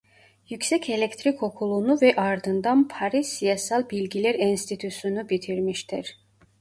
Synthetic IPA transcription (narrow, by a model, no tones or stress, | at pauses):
jycsɛcʰe̞lʲect̪ʰɾiko̞kʰulˠunuvɛʔaɾd̪ɯnd̪anpʰaɾisijasalˠbilʲɟilʲæɾinst̪ʰit̪ʰusunubit̪ʰiɾmiʃt̪ʰiɾ̥